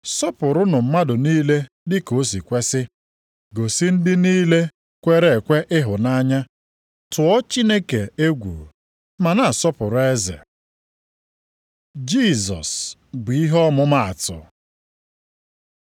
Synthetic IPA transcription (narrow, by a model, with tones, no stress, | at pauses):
sɔ˦pʊ˨ɾʊ˦nʊ˨m̩˦ma˦dʊ˨niː˦le˦ | dɪ˦ko˨˦s̬i˨kʷe˦sɪ˦ | ɡo˨sɪ˦n̩˦dɪ˦niː˦le˦ | kʷe˦ɾe˨kʷe˦ʔɪ˦ɦʊ˨na˦ɲa˦ | tʰʊ˨ɔ˦t͡ʃi˦ne˦ke˨e˦ɡʷṵ˨ | ma˨na˨a˨sɔ˦pʊ˨ɾʊ˨˦e˦zḛ˨ | d͡ʒi˦˨zɔ̰˨sbi˨i˦ɦɔ˦mʊ˦ma˨a˨tʊ̰˨